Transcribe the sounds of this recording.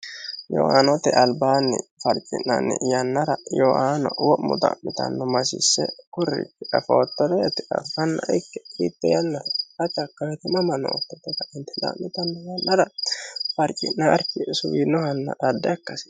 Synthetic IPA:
jɔ̰haːnɔt̪ɛʔɐlbaːnːɪ̰fɐɾt͡ʃʼɪ̰nːɐ̰nːɪ̰jɐnːɐɾɐjɔʔaːnɔwɔmːʊd̪ɐ̰mːɪt̪ɐ̰nːɔmɐsɪsːɛ̰kʊrːɪ̰kːɛʔɐfoːt̪ːɔd̪ɛt̪ɪʔɐ̰fɐnːɐ̰ʔɪkːɛkḭːt̪ːɛjɐnːɐɐt͡ʃʼɐkːɐwɛt̪ɪmɐmɐnːɔ̰ɔt̪ːɔt̪ːɛt̪ɐɪnt̪ɛd̪a̰mːɪt̪ɐnːɔjɐnːɐɾɐfɐɾt͡ʃʼɪnːaːɾkːɪsʊwiːnːɔhɐnːɐ̰ʔɐd̪ːɛɐkːɐsɪ̥

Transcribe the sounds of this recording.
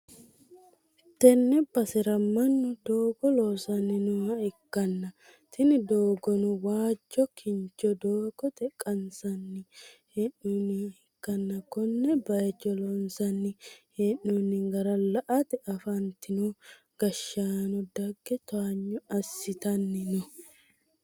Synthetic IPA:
t̪ɛnːɛbɐsɛɾɐmːɐnːʊd̪oːɡɔloːsɐnːɪnʊhɐhɪkːɐnːɐ | t̪ʰɪnɪd̪oːɡɔnʊwaːd͡ʒːɔkʰɪnt͡ʃːɔd̪oːɡɔt̪ɛkʼːɐnsɐnːɪhɛnːunhɪkːɐnːɐkɔnːɛbɐjt͡ʃːɔlɔnsɐnːɪhenːunːɪŋɡɐɾɐlɐʔɐt̪ɛɐfɐnt̪ɪnɔ | ɡ̥ɐʃːaːnɔd̪ɐɡːɛt̪aːɲːɔɐsːɪt̪ɐnːɪnɔ

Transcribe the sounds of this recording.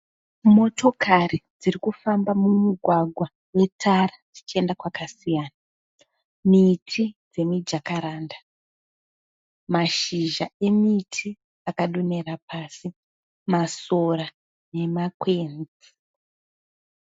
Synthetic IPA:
mo̞to̞karid͡zirikufambamumuɡʱwaɡʱwa | we̞tʰarad͡zit͡ʃie̞ndakwakasijaːna | mitʰid͡ze̞mid͡ʒakaɾaːnda | maʃiʒae̞mitʰi | akaɗune̞rapaːsi | masora | ne̞makweːnd͡zi

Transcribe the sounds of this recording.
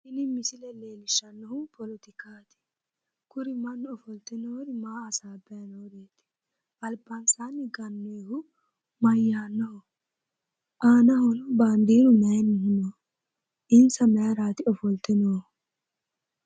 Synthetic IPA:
hɪnɪmɪsɪlɛleːlɪʃːɐnːɔhʊpɔlɔt̪ɪkaːt̪ɪ̥ | kʊɾɪmɐnːʊɔfɔlt̪ɪnɔhɔd̪ɪmaːɐsaːbɛjɐnɔhʊd̪eːt̪ɪ̥ | ɐlbɐnsaːnːɪɡɐnːɔjhʊ | mɐjːaːnːɔhʊ | ʔaːnɐhʊnband̪iːɾʊmɛjnɪhɪnɔ | ʔɪnsɐmɛjɐɾaːt̪ɪɔfɔlt̪ɪnɔʊ

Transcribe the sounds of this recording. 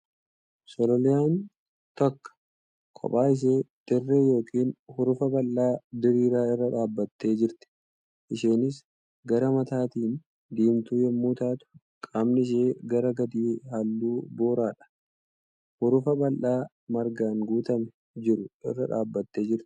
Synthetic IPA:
sɔlɔlɪjaːn | t̪ɐkːɐ̥ | kʰʼɔ̰pʼaːɪʃ̬e̞ːd̪̥ɪrːeːjo̞ːkiːnhʊɾʊfɐbɐlːaːd̪ɪɾiːɾaːɪrːɐᶑaːbːɐt̪ːe̞ːd͡ʒɪɾt̪ɪ̥ | ʔɪʃeːnɪs̬ | ɡɐɾɐmɐt̪aːt̪iːn | d̪iːmt̪uːjɛmːuːt̪aːt̪ʊ̥ | kʼɐmnɪɪʃ̬eːɡɐɾɐɡɐd̪iːhɐlːuːbo̞ːɾaːᶑɐ̥ | hʊɾʊfɐbɐlʔaː | mɐɾɡaːŋɡuːt̪ɐmɛ | d͡ʒɪɾʊʔɪ̰rːɐᶑa̰ːbːɐt̪ːe̞ːd͡ʒɪɾt̪ɪ̥

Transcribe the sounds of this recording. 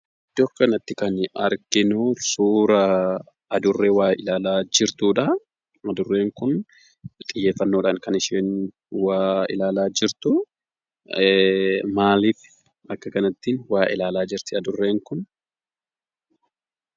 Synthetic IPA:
d̪oːkːɐnɐt̪ːɪkɐnɐɾkɪnʊsuːɾɐ | ɐd̪ʊrːeːwaːɪlaːlaːd͡ʒɪɾt̪uːᶑɐ | ɐd̪ʊrːe̞ːŋkʊn | t̪ʼɪjːe̞ːfːɐnːo̞ːᶑaːŋkɐnɪʃeːn | waːɪ̰laːlaːd͡ʒɪɾt̪ʊ | maːliːf | ɐkːɐkɐnɐt̪ːiːnwaːʔɪ̰laːlaːd͡ʒɪɾt̪ɪɐd̪ʊrːe̞ːŋkʊn

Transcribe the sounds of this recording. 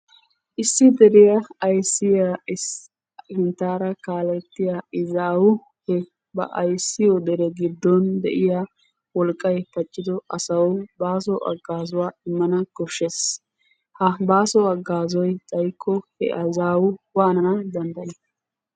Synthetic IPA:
ʔɪsːɪd̪ɛɾɪjɐɐjsːɪja | hɪnt̪ːaːɾɐkaːlɛt̪ːɪjaɪzaːwʊ | hɛ | bɐ̰ʔɐjsːɪjɔd̪ɛɾɛɡɪd̪ːɔnd̪ɛ̰ʔɪja | wɔlkʼːɐjpɐt͡ʃʼːɪd̪ɔʔɐsɐwbaːsɔʔɐ̰ɡːaːzʊwaːɪmːɐnɐɡɔʃːes | hɐbaːsɔɐɡːaːzɔjt̪ʼɐjkʰːɔhɛ̰ʔɐzaːwʊwaːnɐnɐd̪ɐnd̪ɐjɪ

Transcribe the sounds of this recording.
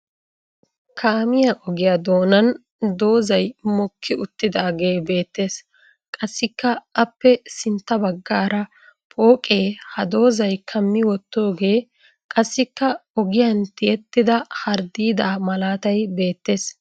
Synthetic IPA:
kʰaːmɪjɐʔɔɡɪjɐd̪o̞ːnɐn | d̪o̞ːzɐjmɔkʰːɪʊt̪ːɪd̪aːɡe̞ːbe̞ːt̪ːe̞ːs | kʼɐsːɪkːɐʔɐpːɛsɪnt̪ːɐbɐɡːaːɾɐ | pʰʼo̞ːkʼe̞ːhɐd̪o̞ːzɐjkʰɐmːɪwɔt̪ːo̞ːɡe̞ː | kʼɐsːɪkːɐɔɡɪjɐnt̪ɪjɛt̪ːɪd̪ɐhɐɾd̪iːd̪aːmɐlaːt̪ɐjbe̞ːt̪ːeːs

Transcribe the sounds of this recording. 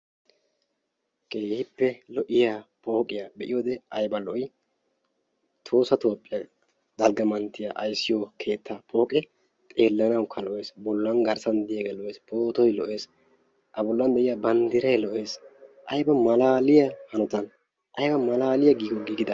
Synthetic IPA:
kʼe̞ːhɪpːɛlɔʔɪjaːpʰʼo̞ːkʼɪjabɛʔɪjoːd̪ɛɐjbɐlɔʔɔj | t̪ʰo̞ːsɐt̪o̞ːpʼːɪjɐ | d̪ɐlɡɐmɐnt̪ːɪjaʔɐ̰jsːɪjokʰe̞ːt̪ʰːapʰʼo̞ːkʼɛ | t̪ʼeːlːɐnɐwkʰːɐlɔʔe̞ːsbɔlːɐnɡɐɾsɐnd̪ɪjaɡɛlɔʔeːspʰo̞ːt̪ɔjlɔ̰ʔe̞ːs | ʔɐbɔlːɐnb̪ɛʔɪjabɐnd̪ɪɾɐjlɔʔe̞ːsʔɐjbɐmɐlaːlɪjɐhɐnɔt̪ɐn | ʔɐjbɐmɐlaːlɪjɐɡiːɡɔɡiːɡɪd̪ɐ

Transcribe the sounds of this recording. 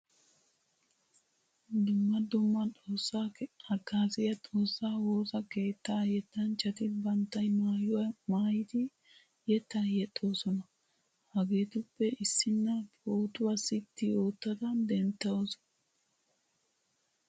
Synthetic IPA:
d̪ʊmːɐd̪ʊmːɐt͡sʼo̞ːsːaːhɐkːaːsɪjɐt̪ʼo̞ːsːaːwo̞ːsɐke̞ːt̪ːajɛt̪ːɐnt͡ʃːɐt̪ɪbɐnt̪ːɐjmaːjɔwɐmaːjɪt̪ɪ | jɛt̪ɐjɛt̪ʼːo̞ːsɔnɐ | hɐɡe̞ːt̪ʊpːɛʔɪsːɪnːɐpoːt̪ʼʊwɐsɪt̪ːɪo̞ːt̪ːɐd̪ɐd̪ɛnt̪ːɐoːsɔ̥n

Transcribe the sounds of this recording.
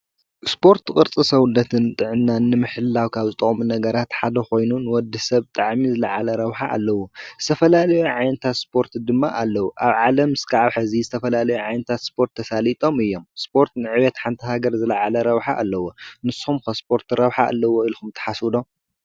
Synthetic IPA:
spʰo̞ɾt̪kʼɨɾt͡sʼɨsɐwunːɐt̪ʰɨnt̪ʼɨʕɨnːanːɨmɨħɨlːawkʰaβzɨt̪ʼɐχʼmunɐɡɐɾat̪ħad̪ɐko̞jnunwɔd̪ːihsɐβt̪ʼaʕmizɨlɐʕalɐɾɐβħaʔa̰lːɐwoz̥ɨt̪ʰɐfɐlalɐjuʕajnɐt̪ʰat̪spʰo̞ɾt̪ʰd̪ɨmːaʔalːɐwuʔaβʕalɐmɨskʰaʕaβħɨzizɨt̪ʰɐfɐlalɐjuʕajnɐt̪ʰat̪spʰo̞ɾt̪ʰːɐsalit̪ʼo̞mɨjːo̞mspʰo̞ɾt̪nɨʕɨβɛt̪ħant̪ʰɐɦaɡɐɾzɨlɐʕalɐɾɐβħaʔalːɐwonɨsumkɐspʰo̞ɾt̪ɾɐβħaʔa̰lːɐwoilkumt̪ʰɐ̥ħaswd̪om

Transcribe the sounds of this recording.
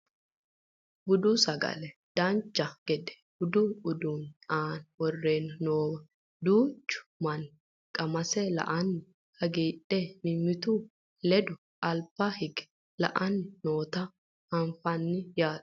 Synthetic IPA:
bʊd̪ʊsɐɡɐ̰lɛd̪̥ɐnt͡ʃːɐɡ̥ɛd̪ɛ̥ | ʊd̪ʊʊd̪uːnaːnwɔrːe̞ːnɐnoːwɐ | d̪uːt͡ʃːʊ̥mɐn | kʼɐmɐsɛlɐ̰ʔɐnːɪ | hɐɡiːᶑɛmɪmːɪt̪u | lɛd̪ʊ | ɐlpːɐhɪɡɛ̥ | lɐ̰ʔɐnːɪnoːt̪ɐ | hɐnfɐnːɪjaː

